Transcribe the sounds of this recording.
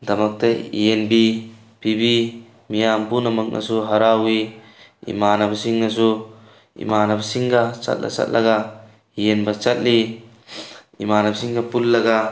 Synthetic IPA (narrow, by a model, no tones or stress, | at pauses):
d̪ɐmɐk̚t̪eḭenbi | pibi | mijampunamɐk̚nʔa̰suɦaɾawi | ḭmaːnabsiŋnasu | ḭmaːnabsiŋɡat͡ʃa̰t̪̚lʔa̰t͡ʃa̰t̪̚lʔɐɡa | ienbat͡ʃat̪̚li | ḭmaːnabsiŋɡapulːɐɡa